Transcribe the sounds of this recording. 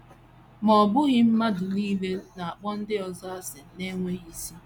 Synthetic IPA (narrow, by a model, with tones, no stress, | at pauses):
mɔ˨bʊ˦ɣɪ˦m̩˦ma˦dʊ˨li˦le˦na˨a˨k͡pɔ˦n̩˦dɪ˦ɔ˨za˦a˦sɪ˨ne˦ŋʷe˦i˦si˦